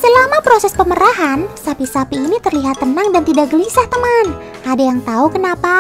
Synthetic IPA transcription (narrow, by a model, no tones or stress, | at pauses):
səlamapɾosɛspəməɾaɦansapisapiːnit̪ərliɦat̪ːənaŋdant̪idaʔɡəlisaht̪əman | adajaŋt̪aukənapa